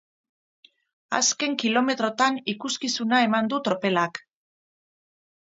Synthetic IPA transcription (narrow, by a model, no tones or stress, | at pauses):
a̰ske̞ŋkilo̞me̞t̪ɾo̞t̪anikuskisunae̞mand̪ut̪ɾo̞pe̞lak